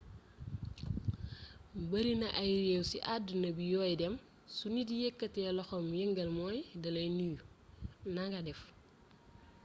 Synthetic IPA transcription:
bɐɾinɐʔajɾewsiʔadunɐbijɔːjdɛm | sunidijekːɐtɛlɔxomjɛŋɡɐlmɔjdɐlɐjnijunaŋɡadɛf

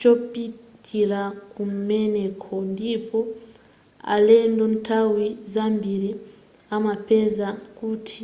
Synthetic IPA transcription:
t͡ʃopitʰilakum̩mɛnekʰɔndipʰɔ | a̰lɛndɔntʰawizambiɾi | amapɛzakutʰi̥

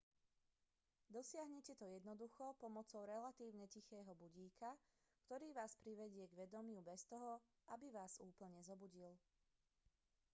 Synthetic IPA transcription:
d̪ɔsɪaɦɲɛcɛt̪ɔjɛd̪nɔd̪uxɔpɔmɔt͡sɔʊɾɛlat̪iːʊɲɛcixɛːɦɔbuɟiːka | kt̪ɔɾiːʋaːspɾiʋɛɟɪɛɡʋɛd̪ɔmɪubɛst̪ɔɦɔ | ʔabiʋaːzuːpl̩ɲɛzɔbuɟil

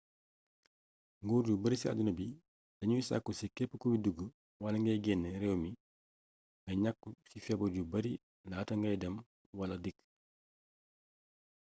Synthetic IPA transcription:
ŋɡɔːɾɟubɐɾisia̰dunɐbi | dɐɲujisa̰kːusikɛpːəkubiduɡːə | wɐlɐŋɡɐjɡɛnːɛɾɛwmi | ŋɡɐɲakːusifɛbɐɟubɐɾi | naːtɐŋɡɐjdɐm | wɐlɐdik

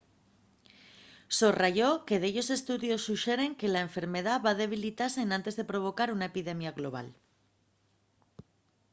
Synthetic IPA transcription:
soraʝo̞ke̞ðeʎo̞se̞st̪uðjo̞sːuʃe̞ɾe̞ŋke̞laeɱfe̞ɾme̞ð̞aβaðe̞β̞ilit̪aseːnãnt̪e̞zðe̞pɾo̞β̞o̞kaɾunae̞piðe̞mjaɣlo̞βa̰l

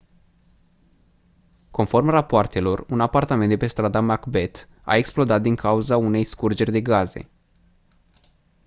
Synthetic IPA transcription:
ko̞nfo̞rmrapoart̪e̞lo̞runapart̪amend̪epe̞st̪ɾad̪amakbe̞t̪ | a̰e̞ksplo̞d̪at̪̚d̪iŋkʰauzaune̞jskurd͡ʒe̞rʲd̪e̞ɡaze̞̰

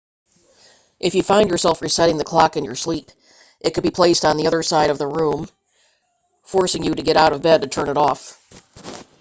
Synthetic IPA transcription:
ʔɨfjɨfãɪ̃ndjə˞sɛlˠfɹisɛɾɪ̃ŋðɨkʰl̥ɑkɨ̃njə˞slip | ʔɨt̚kʰɨd̚bipʰl̥eɪstn̩ðiʌðə˞saɪɾʌvðəɹũm | fɔɹsɪ̃ŋjɨɾɨɡɛɾaʊɾʌvbɛd̚tɨtʰɜ̃˞nɨɾɔf

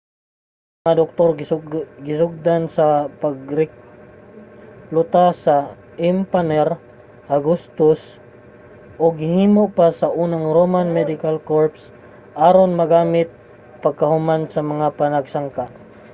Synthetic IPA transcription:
maŋad̪ok̚t̪oɾɡɪsʊɡ̚d̪ansapaɡ̚ɾɪk̚ | lʊt̪asa | ɪmpanɛɾ | ʔaɡust̪ʊs | ʔoɡɪhiːmopasaʔuːnaŋɾomanmɛd̪ɪkalkoɹps | ʔaɾonmɐɡaːmɪt̪̚ | pɐɡ̚kɐhʊmansɐmɐŋapanɐɡsaŋka

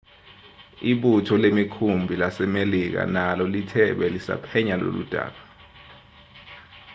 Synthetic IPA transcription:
iɓutʰɔlemikʰumbʱilasɛmelik̬a̰nalɔlitʰɛɓɛlisa̰pʰɛɲalo̰lṵd̥ʱa̰ːɓa

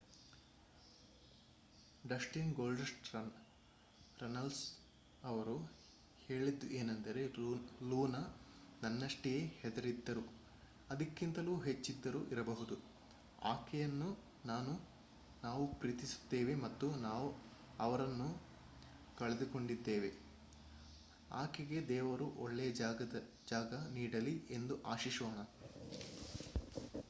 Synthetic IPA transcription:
ɖɐsʈinɡoːlɖesʈɾɐ | ɾɐnɐls | ɐʋɐɾu | heːɭid̪uʔeːnɐnd̪ɐɾe̞luːnɐnɐnːɐʂʈijeːhɛd̪ɐɾid̪ːɐɾu | ɐd̪ɐkːint̪ɐluːɦe̞t͡ʃːid̪ːɐɾuʔiɾɐbɐɦud̪u | a̰ːkɛjɐnːu | naːnu | naːʋupɾiːt̪isu̥t̪ːeːʋe̞mɐt̪ːunaːʋu | ɐʋɐɾɐnːu | kɐɭed̪uko̞ɳɖid̪ːeːʋe̞ | a̰ːkɛɡe̞d̪ɛːʋɐɾuʔɔɭːejɐɐɐ | d͡ʒaːɡɐniːɽɐlie̞nd̪uʔaːʃiʂoːɳɐ

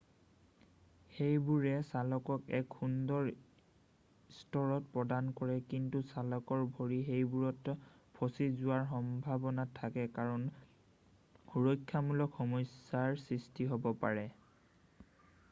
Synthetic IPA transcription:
xejbuɹɛsalɔkɔkɛ̰kxundɔɹ | stɔɹɔt̚pɹɔdankɔɹɛkintusalɔkɔɹbʱoɹiɦejbuɹɔt | pʰosizʊwaɹxɔmbʱabɔnatʰːakɛkaɹɔn | uɹɔjkʰːamulɔkxɔmɔjsːaɹsɹistiɦobɔpa̰ɹɛ

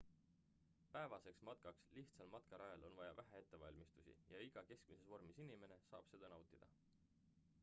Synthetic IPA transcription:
pæe̞vɑse̞ksmɑt̪̚kɑksliht̪sɑlmɑt̪kɑɾɑjɑlo̞nvɑjɑvæɦæe̞t̪ːe̞vɑ̰lʲmist̪usʲḭjɑiɡ̥ɑke̞sk̚mise̞svo̞rmisinʲime̞ne̞sɑ̰ːb̥sed̪̥ɑnɑwt̪ːˑid̪̥ɑ̰

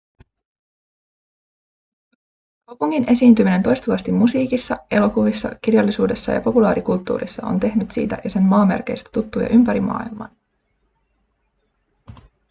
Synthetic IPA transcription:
kɑwpuŋːine̞siːnt̪ymine̞nt̪o̞jst̪uʋɑst̪imːusiːkisːɑe̞lo̞kuʋisːɑ̰k̟irjɑlːisuːde̞sːɑ̰jɑ̰po̞pulɑːɾikult̪ːṵːrḭsːɑo̞̰nt̪e̞hnyt̪sḭːt̪æ̰jɑse̞nmɑːme̞̰rke̞̰jst̪æ̥t̪ut̪ːujɑ̰ʔympæɾimɑ̰ːilmɑ̰n

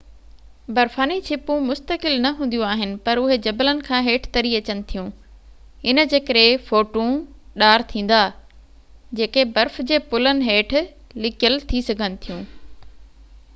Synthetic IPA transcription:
bɐɾfaːnit͡ɕʰɪpũmʊst̪əkɪlnɐɦũːn̆d̪ijũaːɦɪnɪ̆pɐɾʊɦed͡ʑɐbələnɪ̆kʰãːɦeːʈʰt̪ɐɾiɐt͡ɕənɪ̆t̪ʰijũ | ɪnə̆d͡ʑeːkəɾefoːʈũɗaːɾt̪ʰĩːn̆d̪a | d͡ʑeːkebɐɾfd͡ʑeːpʊlənɪ̆ɦeːʈ̆ʰ | lɪkjəlt̪ʰisɐɡʱənɪ̆t̪ʰijũː

